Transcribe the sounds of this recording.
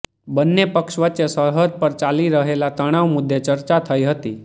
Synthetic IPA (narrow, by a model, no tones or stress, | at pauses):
bənːepəkʃʋətːt͡ʃesəɾɦəd̪̚pəɾt͡ʃaliɾəɦelat̪əɽ̃aʋmʊd̪ʱːet͡ʃəɾt͡ʃat̪ʰəiɦət̪i